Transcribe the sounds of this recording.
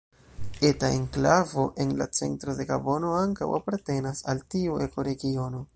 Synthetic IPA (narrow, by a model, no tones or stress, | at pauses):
e̞tae̞̰ŋklavo̞ʔe̞nla̰t͡se̞̰ntɾo̞de̞ɡabo̞no̞aŋka̰wapaɾte̞nasaltiue̞ko̞ɾe̞ɡio̞no̞